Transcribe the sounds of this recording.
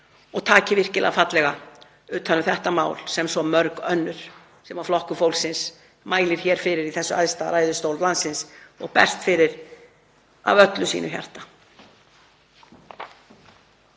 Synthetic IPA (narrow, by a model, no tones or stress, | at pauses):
ɔɣt̪ʰaːcɪvɪr̥cɪlɛ̰ɣafat̪lɛɣa | ʏːt̪hanːʏθɛht̪ama̰ːwlsɛmsɔmœɾkœnːʏɾ̥ | sɛmaflɔhkʏfowlsɪns | maːjlɪɾ̥çɛːɾ̥fɪɾɪɾiθɛsːʏʔa̰jðst̪aɾaːjðʏst̪owllansːɪnsɔ̰ɣpɛ̰r̥st̪fɪɾɪɾ | a̰vœt̪lʏsḭːnʏçja̰r̥t̪a